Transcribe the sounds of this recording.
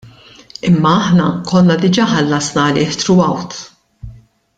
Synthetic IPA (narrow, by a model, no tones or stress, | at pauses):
ɪmːɐɐħnɐkʰɔlnɐd̪ɪd͡ʒɐːħɐlːɐsnɐlɪːħt̪ɾʊɐwt̪